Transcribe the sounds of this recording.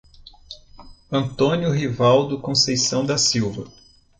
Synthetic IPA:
ɐ̃t̪õnjʊɦivawd̪ʊkõsejsɐ̃w̃d̪ɐsiwvɐ̰

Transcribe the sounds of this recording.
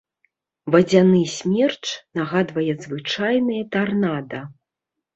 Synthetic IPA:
vɐd͡zʲanɨsʲmʲɛrt͡ʂnaɣad̪vɐjɛzvɨt͡ʂajnɐjɐt̪arnad̪ɐ

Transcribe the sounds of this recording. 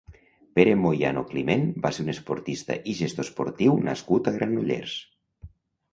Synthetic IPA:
peɾemoja̰noklimenbaseɾunespoɾt̪ist̪a̰ʔiʒest̪ospoɾt̪iwnʔa̰skut̪aɣɾʔanuʎḛɾs

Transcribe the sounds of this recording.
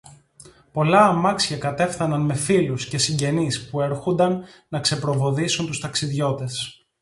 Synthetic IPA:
po̞lɐːmɐksçɐkɐt̪e̞fθɐnɐnme̞filusce̞siɲɟe̞nispue̞ɾxond̪ɐnː | ɐkse̞pɾo̞vo̞ðisunt̪ust̪ɐksiðʝo̞t̪e̞s

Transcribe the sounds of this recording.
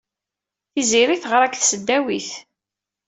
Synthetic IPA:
θiziɾiθʁəɾˤækθsəd̪ːæwiθ

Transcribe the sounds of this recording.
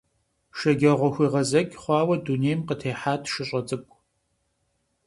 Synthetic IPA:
ʃɐɡʲɐʁʷɔxʷiːʁɐzɐɡʲχʷɑːwɐduneːjmqətʰeːħaːtʰʃɨɕʼɐt͡sʼɨkʷʼ

